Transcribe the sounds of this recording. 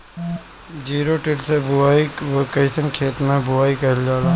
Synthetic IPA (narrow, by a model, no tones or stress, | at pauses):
d͡ʒiːɾoʈɪlsebʊaːikɐisənkʰeːt̪mẽbʊaːikɐɦld͡ʒaːla